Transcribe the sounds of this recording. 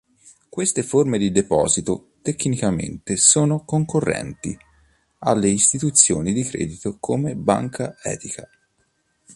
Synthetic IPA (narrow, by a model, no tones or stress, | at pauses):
kwest̪eformed̪id̪epɔ̰ːzit̪o | t̪ekːnikamḛnt̪esoːnokoŋkorːɛ̰nt̪ḭ | a̰lːeist̪it̪ut̪sːjoːnid̪ikɾɛ̰ːd̪it̪okʰomeba̰ŋkʰaɛ̰ːt̪ika